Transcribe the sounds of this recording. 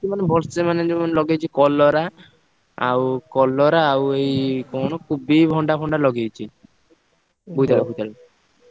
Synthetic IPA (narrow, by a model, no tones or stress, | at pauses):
kimanebʱɔlsemaned͡ʒɔmanlɔɡejt͡ʃʰikɔlːɔɾa | a̰wkɔlːɔɾaːwejkonokʰubibʱɔɳɖabʱɔɳɖalɔɡejt͡ʃʰi | bujt̪alebujt̪ale